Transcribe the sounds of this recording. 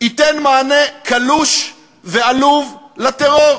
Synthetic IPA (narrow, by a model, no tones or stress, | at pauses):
it̪enmaːnekaluʃ | vealuvlat̪eʁo̞ʁ